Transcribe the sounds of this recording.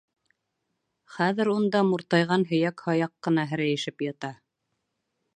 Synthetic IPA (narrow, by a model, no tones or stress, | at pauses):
χæðɘ̆ɾund̪ɑmuɾt̪ɑjʁɑnɦɵ̆jækhɑjɑqːɤ̆nɑɦɘ̆ɾæjɘ̆ʃɘpjɑt̪ɑ